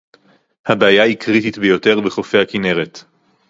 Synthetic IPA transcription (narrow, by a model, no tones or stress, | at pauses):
habeajahikʁitit̪bejote̞ʁbeχo̞fehakine̞ʁet̪